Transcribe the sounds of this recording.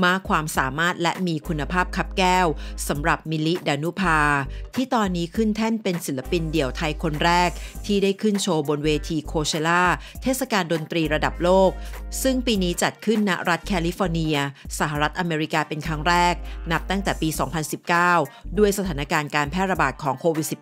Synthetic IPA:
maː˧˥˩kʰwaː˧msaː˩˦maː˥˩t̪̚lɛ̰˦˥miː˧kʰu˧nːa˧pʰaː˥˩p̚kʰa˦˥p̚kɛː˥˩wsa˩˦mɾa˨˩p̚mi˧li˦˥daː˧nu˦˥pʰaː˧t̪ʰiː˥˩t̪ɔː˧nːiː˦˥kʰɯ˥˩nt̪ʰɛ˥˩npe˧nsi˨˩˦la˧pi˧ndi˨˩˦əwt̪ʰa˧jkʰo˧nɾɛː˥˩k̚t̪ʰiː˥˩daː˥˩jkʰɯ˥˩nt͡ɕʰoː˧bo˧nweː˧t̪ʰiː˧kʰoː˧sʰeː˧laː˥˩tʰeː˥˩t̪̚sa˨kaː˧ndo˧nt̪ɾiː˧ɾa˧da˨˩p̚loː˥˩k̚sɯ˥˩ŋpiː˧niː˦˥t͡ɕa˨˩t̪̚kʰɯ˥˩nːa̰˦˥ɾa˦˥t̪̚kʰɛː˧li˦˥fɔː˧ni˧ɐsa˧˦ɦa˨˩ɾa˦˥t̪̚ʔa˧meː˧ɾi˦˥kaː˧pe˧nkʰa˦˥ŋɾɛː˥˩k̚na˦˥p̚t̪a˥˩ŋt̪ɛː˨˩piː˧sɔ̰ː˩˦ŋpʰa˧nsi˨˩p̚kaː˥˩wdu˧˩əjsa˧t̪ʰaː˩˦na˧˥kaː˧nkaː˧npʰɛː˥˩t̪̚ɾa˧baː˨˩t̪̚kʰɔː˩˦ŋkʰoː˧wi˨˩t̪̚si˨˩

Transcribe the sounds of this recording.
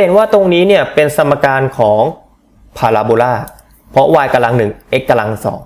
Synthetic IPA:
e˩˦nwaː˥˩t̪o˧ŋniː˦˥ni˥˩ɐpe˧nsa˧mːa˧kaː˧nkʰɔː˩˦ŋ | pʰaː˧laː˧boː˧laː˥˩ | pʰɔ˦˥waː˧jka˧la˧ŋnɯ˨˩ŋʔe˦˥kːa˧la˧ŋsɔ̰ː˩˦ŋ

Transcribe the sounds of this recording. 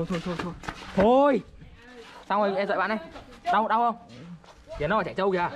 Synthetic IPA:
o˧t̪ʰo˧jt̪ʰo˧jt̪ʰo˧jt̪ʰo˧j | saː˧wə˧˩jɛ˧zwa̰˧˨ɓa̰ː˧˨nɗa˧j | ɗa˧wɗa˧wʔə˧wŋ͡m | vi˨ən˨˦waː˨˩t͡ɕa˧˩jt͡ɕə˧wɣaː˧˩

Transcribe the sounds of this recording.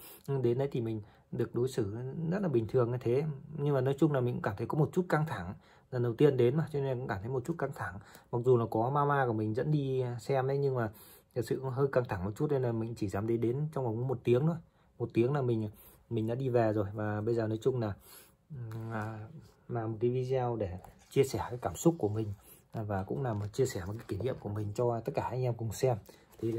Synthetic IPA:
ɗe˨˦nɗə˨˦jt̪ʰi˨˩mï˨˩ŋ̟ | ɗɨ˨˩ək̚ɗo˨˦jsɨ˧˩zə˦˥t̚laː˨˩ɓï˨˩ŋ̟t̪ʰɨ˨˩əŋa˧˩jt̪ʰe˨˦ɲɨ˧ŋmaː˨˩nɔ˨˦jt͡ɕʊ˧ŋ͡mlaː˨˩mi˨˩ŋkkaː˧˩t̪ʰə˨˦kɔ˨˦mo˨˩t̚t͡ɕu˦˥t̚ka˧ŋt̪ʰa˧˩ŋ | lə˨˩nə˨˩wt̪i˧ənɗe˨˦nmaː˨˩t͡ɕɔ˧ne˧naː˨kʊ̰˧˥kaː˧˩t̪ʰə˨˦jo˨˩t̚t͡ɕu˦˥t̚ka˧ŋt̪ʰa˧˩ŋma˨˩k̚zu˨˩laː˨˩kɔ˨˦maː˧maː˧ku˧˩əmï˨˩ŋ̟zə̰˧˥nɗi˧sɛ˧mɗə˨˦jɲɨ˧ŋmaː˨˩ | t̪ʰə˨˩sɨ̰˧˨ɦəː˧jkaː˧ŋt̪ʰa˧˩ŋm˨˩t̚t͡ɕu˦˥t̚ɗə˨˧˦laː˨˩mï˨˩ŋ̟t͡ɕi˧˩zaː˨˦mɗe˨˦nɗe˨˦nt͡ɕɔ˧wŋ͡mva˨˩kmo˨˩t̚t̪i˨˦əŋɗo˨˧˦ | mo˨˩t̚t̪i˨˦əŋlaː˨˩mï˨˩ŋ̟a˨˩ | mï˨˩ŋ̟ɗa̰ː˧˥ɗi˧vɛ˨˩zo˨˩jvaː˨˩ɓə˧jzəː˨˩nɔ˨˦jt͡ɕʊ˧ŋ͡mlaː˨˩˨ | laː˨˩mo˨˩t̚kaː˨˦jvi˧za˧wɗe˧˩t͡ɕi˧əsɛ˧˩kaː˨˦jkaː˧˩msʊ˦˥k͡p̚ku˧˩əmï˨˩ŋ̟˨˩ | vaː˨˩kʊ̰˧˥ŋ͡mlaː˨˩m˨˩t͡ɕi˧əsɛ˧˩m˨˩t̚kaː˨˦ki˧˩ŋ̟ɲḭ˧˨əmku˧˩əmï˨˩ŋ̟t͡ɕɔ˧t̪ə˦˥t̚kaː˧˩ʔa˧jŋ̟ʔɛ˧mkʊ˨˩ŋ͡msɛ˧m | t̪ʰi˨˩

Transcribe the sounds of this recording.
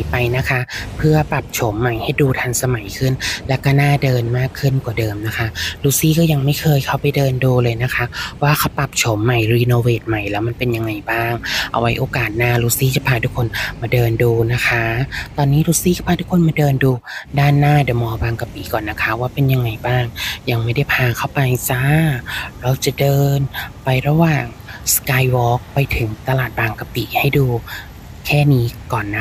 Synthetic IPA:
a˨˦jpa˧jna˦˥kʰa˦˥pʰɯ˥˩ɐpa˨˩p̚t͡ɕʰo˩˦mːa˨˩jha˧˩j̪̚duː˧t̪ʰa˧ŋsa˧ma˨˦jkʰɯ˥˩nlɛː˦˥wkɔː˥˩naː˥˩˨dɤː˧nmaː˥˩kʰːɯ˥˩˨nkwaː˨˩dɤː˧mna˦˥kʰa˦˥luː˧˥siː˦˥˩kɔː˥˩ja˧ŋma˥˩jkʰɤː˧jkʰa˧˩wpa˨jdɤː˧nduː˧lɤː˧jna˦˥kʰa˦˥waː˥˩kʰa˧˩wpa˨˩p̚t͡ɕʰo˨˦mːa˨˩jɾiː˧noː˧weː˧˩t̪̚ma˨˩jlɛː˦˥wma˧˨npe˧nja˧ŋːa˧jbaː˥˩ŋʔa̰˧˩wa˦˥jʔoː˧kaː˨˩t̪̚naː˧˩luː˧˥siː˦˥˩t͡ɕa˨˩pʰaː˧t̪ʰuː˦˥kʰːo˧nmaː˧dɤː˧nduː˧na˦˥kʰa˦˥t̪ɔː˧nːiː˦˥ɾuː˧˥siː˥˩ka˧˩pʰaː˧t̪u˦˥kʰo˧nmaː˧dɤː˧nduː˧daː˥˩nːaː˥˩dɯ˨˩˦mɔː˧baː˧ŋka˧piː˨˦kɔː˨˩nːa˦˥kʰa˦˥waː˥˩pe˧nja˧ŋːa˧jbaː˥˩ŋja˧ŋma˥˩jda˥˩jpʰaː˧kʰa˥˩wpa˧jsaː˧˥ɾɔ˧˩t͡ɕa˨˩dɤː˧npa˧jɾa˧waː˨˩ŋ | skaː˧jwɔː˦˥k̚pa˧jt̪ʰɯ˨˩˦ŋt̪a˧laː˨˩t̪̚baː˧ŋka˧piː˨˩˦ha˥˩jduː˧ | kʰɛː˥˩niː˦˥kɔː˨˩nːa˦˥

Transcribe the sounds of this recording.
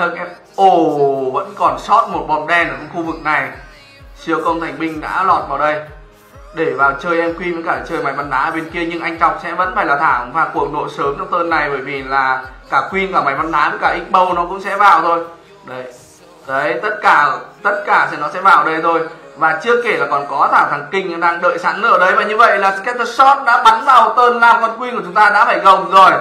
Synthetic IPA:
t̪ʰə˨˩k̚ʔɛ˧ | ʔo˧˩və̰˧˥nkɔ˨˩nsɔ˦˥t̚mo˨˩t̚ɓɔ˧˩n̚ɗɛ˧nʔəː˧˩t͡ɕɔ˧wŋ͡mxu˧vɨ˨˩k̚na˨˩j | si˨˦əkə˧wt̪ʰa˨˩ŋ̟ɓï˧ŋ̟ɗa̰ː˧˥lɔ˨˩t̚vaː˨˩wɗə˧j | ɗe˧˩vaː˨˩wt͡ɕəː˧jʔɛ˧mkwi˧və˧kaː˧˩˨t͡ɕəː˧jma˨˩jva˧nːʔaː˨˦ʔəː˧˩e˧nki˧əɲɨ˧ŋʔa˧jŋ̟t͡ɕwk͡p̚sɛ̰˧˥və̰˧˥nfaː˧˩jlaː˨˩t̪ʰaː˧˩mvaː˨˩ku˨˩ək̚no˧˩jsəː˨˦mt͡ɕɔ˧wŋ͡mt̪əː˧nːa˨˩jɓəː˧˩jvi˨˩laː˨˩kaː˧˩kwi˧nkaː˧˩ma˨˦jma˧nʔaː˨˦ɨ˨˧˦kaː˧˩ʔï˦˥k̚ɓə˧wnɔ˨˦kʊ̰˧˥ŋ͡msɛ̰˧˥vaː˨˩wt̪ʰo˧j | ɗə˨˦j | t̪ə˨˦jt̪ə˦˥t̚kaː˧˩t̪ə˦˥t̚kaː˧˩snɔ˨˦sɛ̰˧˥vaː˨˩wɗə˧jt̪ʰo˧jvaː˨˩t͡ɕɨ˦˥əkːe˧˩laː˨˩kɔ˨˩nkɔ˨˦t̪ʰaː˧˩t̪ʰaː˨˩ŋkï˧ŋ̟˧ɗaː˧ŋɗə̰ː˧˨jsaː˨˦˥nlɨ̰˧˩əɗə˨˦jvaː˨˩ɲɨ˧və̰˧˨jlaː˨˩skɛ˦˥t̪̚ə˧sɔ˦˥t̚ɗa̰ː˧˥ɓa˨˦nvaː˨˩wt̪əː˧nlaː˨˩mkɔ˨˩nkwi˧ku˧˩˨t͡ɕʊ˨˦ŋ͡mt̪aː˧ɗa̰ː˧˥faː˧˩jɣə˨˩wzo˨˩j

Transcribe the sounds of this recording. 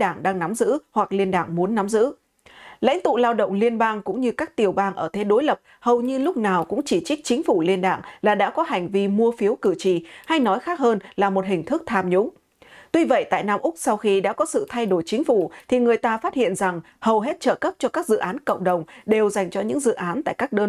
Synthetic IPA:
ɗaː˧˩ŋɗaː˧ŋna˨˦mzɨ̰˧˥hwa˨˩k̚li˧ənɗa̰ː˧˩ŋmu˨˦ənːa˨˦mzɨ̰˧˥ | lə̰˧˥jŋ̟t̪ṵ˧˨laː˧wɗə̰˧˨wŋ͡mli˧ənɓaː˧ŋkʊ̰˧˥ŋ͡mɲɨ˧kaː˦˥k̚t̪i˨˩əwɓaː˧ŋʔəː˧˩t̪ʰe˨˦ɗo˨˦jlə˨˩p̚ | hə˨˩wɲɨ˧lʊ˦˥k͡p̚naː˨˩wkʊ̰˧˥ŋ͡mt͡ɕi˧˩t͡ɕi˦˥k̟̚t͡ɕï˨˦ŋ̟fu˧˩li˧ənɗa̰ː˧˩ŋlaː˨˩ɗa̰ː˧˥kɔ˨˦ha˨˩jŋ̟vi˧mu˧əfi˨˦əwkɨ˧˩t͡ɕḭ˧˩ha˧jnɔ˨˦jxaː˦˥k̚həː˧nlaː˨˩mo˨˩t̚ɦï˨˩ŋ̟t̪ʰɨ˦˥k̚t̪ʰaː˧mɲʊ̰˧˥ŋ͡m | t̪wi˧və̰˧˨jt̪a̰ː˧˨jnaː˧mʔʊ˦˥k͡p̚sa˧wxi˧ɗa̰ː˧˥kɔ˨˦sɨ̰˧˨t̪ʰa˧jɗo˧˩jt͡ɕï˨˦ŋ̟fu˧˩t̪ʰi˨˩ŋɨ˨˩əjt̪aː˧faː˦˥t̚hḭ˧˨ənza˨˩ŋ | hə˨˩wɦe˦˥t̚t͡ɕə̰ː˧˩kə˦˥p̚t͡ɕɔ˧kaː˦˥k̚zɨ̰˧˨ʔaː˨˦nkə̰˧˨ŋ͡mɗə˨˩wŋ͡mɗe˨˩wza˨˩jŋ̟t͡ɕɔ˧ɲɨ̰˧˥ŋzɨ̰˧˨ʔaː˨˦nt̪a̰ː˧˨jkaː˦˥k̚ɗəː˧

